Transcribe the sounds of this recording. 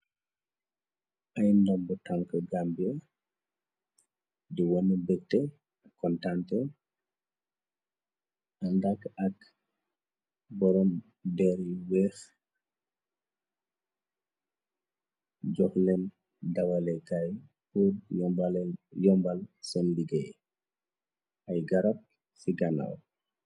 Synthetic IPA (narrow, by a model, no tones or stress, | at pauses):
ɐjndɔmbutaŋkəɡambɛ | diwɔnəbɛk̚tɛ | ɐkːɔntantɛ | ɐndakːɐk | bɔɾɔm | dɛɾiwɛːx | ɟɔxnɛn | dɐwalɛkaj | pur | jɔmbalsɔnliɡej | ajɡɐɾap̚ | siɡana̰w